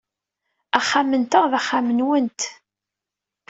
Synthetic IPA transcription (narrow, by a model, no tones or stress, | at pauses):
æχːamənt̪əʁðæχːamənwənt̪